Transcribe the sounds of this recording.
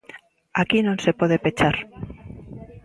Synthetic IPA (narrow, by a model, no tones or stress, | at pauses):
akinõnsepoðepet͡ʃaɾ